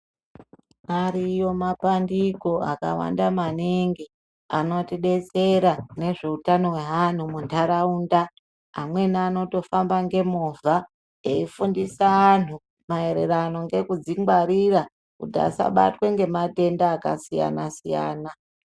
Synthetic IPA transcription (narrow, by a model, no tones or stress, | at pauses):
aɾijo̞mapandiko̞a̰ka̰wa̰ndamaniŋɡi | ano̞tiɗe̞t͡se̞ɾane̞ʐe̞utano̞we̞ɦan̤umuntʰaɾauːndaː | mwe̞nano̞to̞fambaŋɡe̞muvʱa | eifundisaːn̤u | mae̞ɾe̞̰ɾanoŋɡe̞kud͡ziŋɡwaɾiɾa | kutia̰sa̰ɓa̰twe̞ŋɡe̞mate̞ndaːka̰sija̰nasija̰ːna